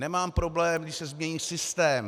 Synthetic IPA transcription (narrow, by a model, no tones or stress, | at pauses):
nɛmaːmpɾo̞blɛːmɡdɪʃsɛzmɲɛɲiːsɪst̪ɛːm